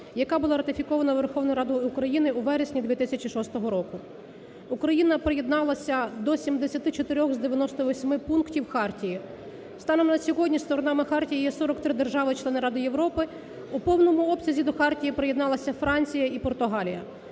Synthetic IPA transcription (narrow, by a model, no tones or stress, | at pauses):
jɐkɑbʊlˠɑɾɐt̪ɪfʲikɔʋɐnɐʋerxɔʋnʊjɾɑd̪ʊukɾɐjinɪuʋɛɾesʲnʲid̪ʲʋʲit̪ɪsʲɐt͡ʃʲiʃɔst̪ɔɦɔɾɔkʊ | ukɾɐjinɐpɾejed̪nɑlˠɐsʲɐd̪ɔsʲimd̪esʲɐt̪ɪt͡ʃɔt̪ɪɾʲɔxzd̪eʋʲjɐnɔst̪ɔʋɔsʲmɪpunktʲiwxɑrtʲiji | st̪ɑnɔmnɐsʲɔɦɔdʲnʲist̪ɔɾɔnɑmɪxɑrtʲijijɛsɔɾɔkt̪ɾɪd̪e̞rʒɑʋɪt͡ʃlˠɛnɪɾɑd̪ɪje̞ʋɾɔpɪ | upɔwnɔmʊɔpsʲɐzʲid̪ɔxɑrtʲijipɾejed̪nɑlˠɐsʲɐfɾɑnʲt͡sʲijɐipɔrt̪ʊɦɑlʲijɐ